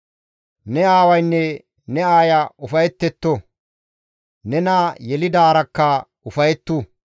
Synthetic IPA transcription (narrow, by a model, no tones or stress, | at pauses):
nɛaːwɐjnːɛ | nɛaːjɐʊfɐjɛt̪ːɛt̪ːo | nɛnɐjɛlɪd̪aːɾɐkːɐ | ʊfɐjɛt̪ːu